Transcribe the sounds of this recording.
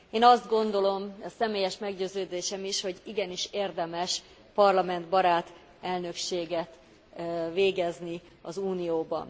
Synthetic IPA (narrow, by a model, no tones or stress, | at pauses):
eːnɒzd̪ɡo̞nd̪o̞lo̞msɛmeːjɛʃmɛɡɟøːzøːd̪eːʃɛmiʃho̞ɟiɡɛniʃeːrd̪ɛmɛʃ | pɒrlɒmɛnd̪bɒɾaːt̪ | ɛlnø̞kʃeːɡɛt̪ | veːɡɛzni | ɒzuːnijoːbɒ̰n